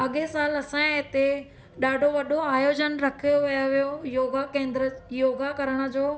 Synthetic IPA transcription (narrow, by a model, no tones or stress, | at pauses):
ɐɠesaːlɐsãɦɪt̪e | ɗaːɖʱoʋɐɗʱoaːjoːd͡ʑənɾɐkʰijoʋijaʋijojoːɡakẽːnd̪ɾəjoːɡakɐɾəɽ̃ə̆d͡ʑoː